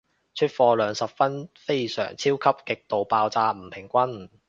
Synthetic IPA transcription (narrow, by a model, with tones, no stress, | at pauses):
t͡ʃʰɵ˥t̚fɔː˧lœː˨˧ŋsɐ˨p̚fɐ˥nfe˥jsœ̰ː˨˩ŋt͡sʰiː˥wkʰɐ˥p̚kɪ˨k̚t̪o˨wpaː˧wt͡saː˧m̩˨˩pʰɪ˨˩ŋkʷɐ˥n